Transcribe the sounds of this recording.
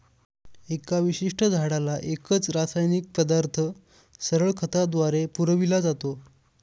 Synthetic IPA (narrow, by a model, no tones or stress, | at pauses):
ekaʋiɕiʂʈʰəd͡zʱaɽalaʔekət͡sɾasajnik̚pəd̪aɾt̪ʰə | səɾəɭkʰət̪ad̪ʋaɾepuɾəʋilad͡zat̪o